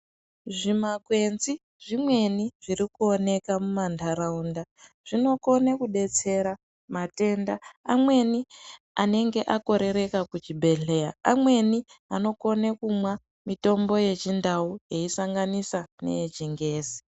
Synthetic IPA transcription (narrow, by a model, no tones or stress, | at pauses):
ʐimakwe̞nzi | ʐimwe̞niʐ̥iɾikuo̞ne̞kamumandʰʱaɾaunda | ʐ̥ino̞ko̞nekuɗe̞t͡se̞ɾa | mate̞ndaamwe̞ni | ane̞ŋɡe̞ʔako̞ɾe̞ɾe̞kakut͡ʃibʱe̞ɮe̞jaamwe̞ni | ano̞ko̞nekumwa | mito̞mbo̞je̞t͡ʃindauje̞isaŋɡanisane̞̰jet͡ʃiŋɡe̞ːzi̥